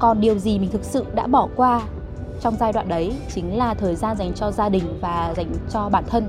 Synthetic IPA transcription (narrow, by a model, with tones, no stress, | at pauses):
kɔ˨˩nɗi˨˩əwzi˨˩mï˨˩ŋ̟t̪ʰɨ˨˩k̚sɨ̰˧˨ɗa̰ː˧˥ɓɔ˧˩kwaː˧ | t͡ɕɔ˧wŋ͡mzaː˧jɗwa̰ː˧˨nɗə˨˦jt͡ɕï˨˦ŋ̟laː˨˩t̪ʰəː˨˩jzaː˧nza˨˩jŋ̟t͡ɕɔ˧zaː˧ɗï˨˩ŋ̟vaː˨˩za˨˦jŋ̟t͡ɕɔ˧ɓaː˧˩nt̪ʰə˧n